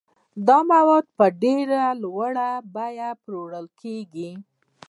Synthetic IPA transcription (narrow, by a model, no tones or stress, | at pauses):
d̪ɑmawɑd̪̚pəɖeɾalwaɽabajapɾoɽəlkʰeɡi